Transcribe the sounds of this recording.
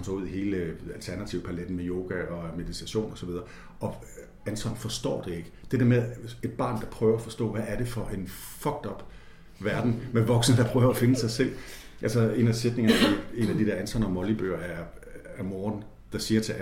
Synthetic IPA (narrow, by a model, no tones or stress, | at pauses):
nsɒuð̰ˠiɦe̝ːləælt͡sʰæɐnæt͡sʰiʊpʰæled̥n̩mejo̝ːɡ̥æɒ̽me̝ðˠit͡sʰæɕo̝̰ːnɒ̽sɒʋið̞ˠɐ | ɒ̽ | ænsɒ̽nfɒ̽sd̥ɒ̰ːd̥e̝e̝ɡ̥ə̥d̥e̝d̥eɐmeðˠe̝d̥̚b̥ɑ̈ːnd̥ɑ̈pʰʁœːʊɐæfɒ̽sd̥ɔ̰̽ːʋæʔːɐɾ̥e̝fɒ̽ʔe̝n | fɒ̽ɡ̥̚d̥ɒ̽b̥ | ʋæɐd̥n̩meʋɒ̽ɡ̥sn̩əd̥ɑ̈pʰʁœːʊɐæfe̝nəsɑ̈ɪsel̰ | ʔælsɐe̝̰ːnæse̝d̥ne̝ŋɐie̝̰næd̥id̥eɐænsʰɒnɐɒmɒ̽lib̥ø̰ːɐæ | æɐmɔːɐn | d̥ɑ̈siːɐt͡sʰe̝